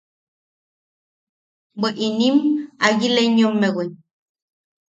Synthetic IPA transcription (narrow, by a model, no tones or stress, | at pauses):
beʔinimajileɲomːewen